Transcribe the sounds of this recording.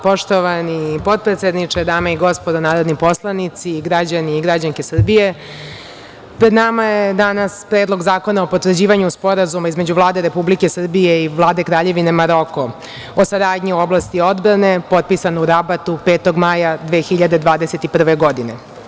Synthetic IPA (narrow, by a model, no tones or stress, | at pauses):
po̞ʃt̪oʋanipo̞t̪̚pɾet̪sed̪nit͡ʂed̪aːmaiɡo̞spo̞d̪onaːɾo̞d̪nipo̞slˠanit̪siːɡɾad͡ʑaniːɡɾad͡ʑaŋkesr̩bije̞ | pɾed̪namajed̪anaspɾeːd̪lˠo̞ɡzaːko̞naopot̪vr̩d͡ʑiːʋaɲuspo̞ɾazumaizme̞d͡ʑuʋlˠaːd̪eɾe̞publike̞sr̩bijeiʋlˠaːd̪e̞kɾaːʎe̞ʋine̞maɾo̞ko | osaɾaːd̪ɲio̞blˠast̪io̞d̪bɾane̞po̞t̪̚pisanouɾabat̪upe̞ːt̪o̞ɡmajad̪ʋe̞ːxiʎad̪e̞d̪ʋaːd̪e̞set̪ipr̩ʋe̞ɡo̞d̪ine̞